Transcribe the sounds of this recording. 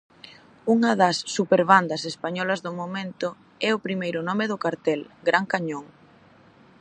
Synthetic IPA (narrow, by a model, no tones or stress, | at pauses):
uŋɐðɐsːupeɾβand̪ɐsespaɲɔlɐzðʊmomẽnt̪ʊ | ɛʊpɾimejɾʊnɔmeðʊkaɾt̪ɛlɡɾʔaŋkaɲoŋ